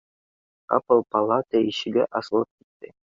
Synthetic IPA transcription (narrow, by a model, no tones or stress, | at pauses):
ɑ̰pɤlˠpɑlˠɑt̪æiʃɘ̆ɡɘʔɑsɤ̆lˠɤp̚ki̥t̪ːɘ